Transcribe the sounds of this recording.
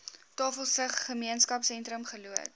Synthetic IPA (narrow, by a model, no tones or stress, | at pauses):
tɑːfəlˠsəχːəmiənskɐpsɛntɾəmχəluət̚